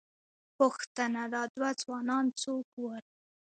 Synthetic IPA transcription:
pʊxt̪ənad̪ɑd̪wad͡zwɑnɑnt͡sokwəɾ

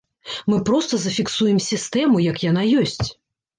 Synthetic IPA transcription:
mɨpɾɔst̪ɐzɐfʲiksujɛmsʲist̪ɛmujɐkjan̪ajɔsʲt͡sʲ

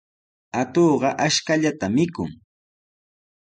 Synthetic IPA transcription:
at̪oːɢɑʔaʃkaʎat̪amɪkʊ̰ŋ

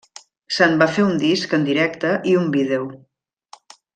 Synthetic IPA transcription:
sanbafeund̪iskənd̪iɾɛkt̪əʔiumbiðew

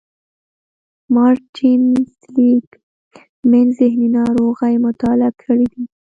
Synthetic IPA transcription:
mɑɾʈimsliɡ | menzɪhninɑɾoɣajmʊt̪ɑlakʰəɽid̪i

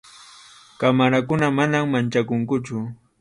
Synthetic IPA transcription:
kamaɾakʊnamanamːant͡ʃakʊŋkʊt͡ʃʊ

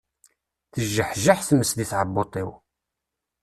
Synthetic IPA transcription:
θəʒːəħʒaħθməsðiθʕəbːot̪ˤɪw

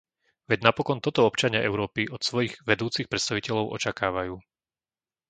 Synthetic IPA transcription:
ʋɛɟnapɔkɔnt̪ɔt̪ɔɔpt͡ʃaɲɪaʔɛʊɾɔːpiʔɔt̪sʋɔjiɣʋɛd̪uːt͡sixpɾɛt̪st̪aʋicɛʎɔʊʔɔ̰t͡ʃakaːʋajuː

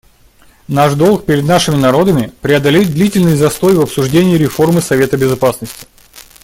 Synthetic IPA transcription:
naʂd̪o̞lˠk̚pʲɪɾʲɪd̪naʂɨmʲɪnɐɾo̞d̪əmʲɪpɾʲɪɐd̪ɐlʲed̪lʲitʲɪlʲnɨjzɐst̪o̞jvɐpsʊʐdʲenʲɪɪɾʲɪfo̞rmɨsɐvʲe̞t̪əbʲɪzɐpasnəsʲtʲɪ̥

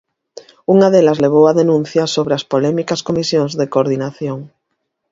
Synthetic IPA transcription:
uŋaðelazleβ̞owaðenũn̟θjasoβɾeaspolɛmikaskomisjoŋzðekoɾðinaθjoŋ

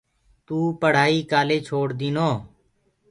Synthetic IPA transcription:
t̪uːpəɽ̤aːiːkaːleːt͡ʃʰoːɽd̪iːnoː

